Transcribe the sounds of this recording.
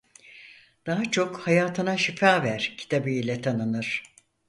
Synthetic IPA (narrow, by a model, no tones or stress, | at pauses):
d̪̥aɦat͡ʃʰo̞khajaːt̪ʰɯnaʃifaːvæɾ̥cʰi̥t̪ʰabijlʲɛt̪ʰanɯnɯɾ̥